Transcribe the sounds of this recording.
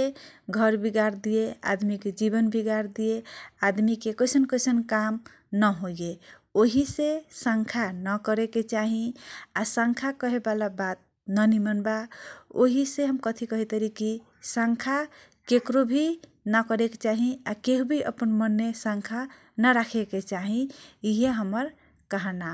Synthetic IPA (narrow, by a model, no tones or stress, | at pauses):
eɡʱʌɾbiɡaɾd̪iea̰d̪miked͡ʒibʌnbʱiɡaɾd̪iead̪mikekʌjsʌnkʌjsʌnkam | nʌɦoɡeoɦisesaŋkʰanʌkʌɾeket͡ʃaɦĩasãŋkʰakʌɦebalabat̪̚ | nənimənbaoɦiseɦəmkət̪ʰikʌɦit̪əɾiki | sãŋkʰa | kekɾobʱi | nəkəɾeket͡ʃaɦĩakeɦubʱiʔə̰pənmənːesãŋkʰa | nəɾakʰeket͡ʃaɦĩiɦeɦəməɾ | kəɦəna